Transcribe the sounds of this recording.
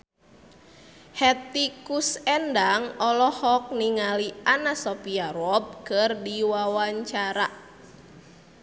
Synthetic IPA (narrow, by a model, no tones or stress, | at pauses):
hɛt̪ikusɛndaŋɔlɔhɔk̚niŋalianasɔpiaɾɔp̚kɨrdiwawaɲt͡ʃaɾa